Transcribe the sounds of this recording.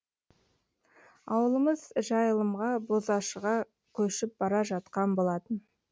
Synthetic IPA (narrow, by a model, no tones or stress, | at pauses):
ɑwəlˠəməzʒɑjəlˠəmʁɑbozɑʃəʁɑ | kʲʰɵʃɪp̚bɑɾɑʒɑt̪qɑnbo̞lˠɑt̪ən